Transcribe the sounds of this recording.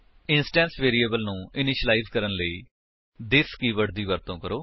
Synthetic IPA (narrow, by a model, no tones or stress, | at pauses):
ɪnsʈɛ̃ːnsʋeːɾieːbəlnũːɪnɪʃəlaiːzkəɾənləiː | d̪ɪskiːʋəʈd̪iːʋəɾt̪õːkəɾoː